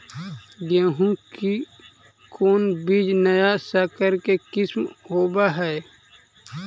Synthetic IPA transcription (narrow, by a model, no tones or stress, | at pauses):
ɡẽːɦũki | koːnbiːd͡ʒnɐjasakəɾkekɪsmoːbaɦɛ